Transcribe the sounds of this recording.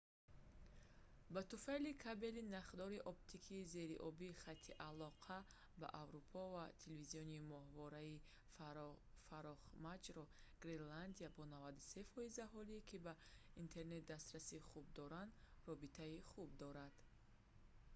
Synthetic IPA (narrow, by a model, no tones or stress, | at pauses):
bat̪ufalikʰabe̞linaχd̪ɔɾiʔɔpt̪ʰikʰiːze̞ɾiʔɔbiːχat̪ʰːiʔalɔqʰa | ba̰ʔavɾupʰɔvat̪ʰelviziɔnimɔhvɔɾai | faɾɔχmad͡ʒɾɔɡ̥ɾeland̪iabɔnavad̪u̥se̞fɔizaɦɔlikʰibaint̪ʰe̞ɾne̞t̪̚d̪ast̪ɾasiχub̚d̪ɔɾand̪rɔbit̪ʰaiχub̚d̪ɔɾad̪̥